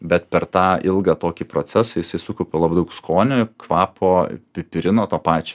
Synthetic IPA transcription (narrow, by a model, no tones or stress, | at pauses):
bʲɛt̪̚pʲɛrt̪ɑːɪlˠɡɑːt̪oːkʲipɾoːt͡s̪ʲæsɐjɪsɐɪsʊkɔʊpʲoːlˠɑbɐɪd̪ɐʊkskoːnʲʊkʋɑːpʰoːpʲɪpʲɪɾʲɪnoːt̪oːpɑːt͡ʃʲo